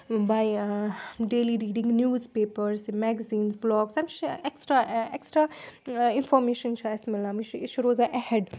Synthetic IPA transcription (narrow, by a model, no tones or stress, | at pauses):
baj | ɖeːliɾiːɖĩŋɡnjuːzpeːpəɾsmɛɡɐziːnsblɔːɡsamt͡ʃeksʈɾaeksʈɾainfɔɾmeːʃɐnt͡ʃʰuɐsmilːãmit͡ʃːt͡ʃʰɾoːzaʔɛhɛɖ